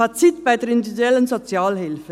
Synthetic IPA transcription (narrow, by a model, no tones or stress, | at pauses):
at͡sɪtb̥aɪdɛːɾɪndyviduɛlənzot͡sjaːlhɪlfə